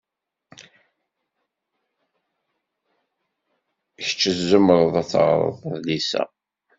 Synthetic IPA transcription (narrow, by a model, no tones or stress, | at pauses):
çə̥t͡ʃːəzːəmɾˤəðˤæt͡sːʁɾˤə̰ðˤəðlisæ̰